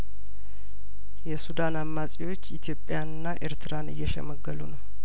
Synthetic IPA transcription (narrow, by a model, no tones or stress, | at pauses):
jɛsud̪anamːasʼiwo̞t͡ʃːit̪ʰjo̞pʼjanɨnːaʔeɾt̪ʰɨɾanɨ̰jːɛʃɛ̰məɡːəlunəw